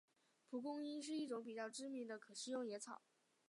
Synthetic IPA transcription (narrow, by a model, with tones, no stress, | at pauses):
pʰu˧˥kʊ˥ŋi˥nʂ̬ɻ̩˥˧i˥˩ʈ͡ʂʊ˧˥ŋpi˨˩t͡ɕjɑ˥˩ʊʈ͡ʂɻ̩˥mi˧˥ŋd̪ə˧kʰɤ˨˩ɕ̩˥˧jʊ˥˩ŋjɛ˧˥t͡sʰɑ˨˩˦